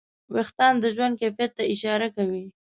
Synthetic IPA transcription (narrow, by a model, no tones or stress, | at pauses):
wext̪ɑnd̪əʒwand̪̚kefjat̪ːaɪʃɑɾakawi